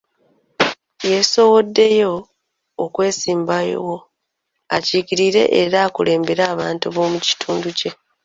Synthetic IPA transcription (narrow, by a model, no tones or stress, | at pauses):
je̞so̞wo̞dːe̞jo̞ː | kwe̞ːsiːmbajo̰wo̞ | a̰ciːkiɾiɾe̞̰ʔeɾaːkule̞ːmbeɾaːβaːntuβo̞ːmuci̥tʰuːnduce̞